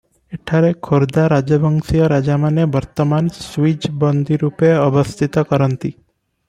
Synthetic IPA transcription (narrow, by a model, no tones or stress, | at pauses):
eʈʰaɾekʰoɾd̪aɾad͡ʒəbʱəŋsijəɾad͡ʒamanebəɾt̪əmansʋid͡ʒbɔnd̪ʱiɾupeəbəst̪ʰit̪ɔkəɾənt̪i